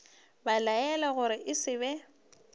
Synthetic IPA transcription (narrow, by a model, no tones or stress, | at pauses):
balajɛlaɣʊɾɪʔɪsɪbɛ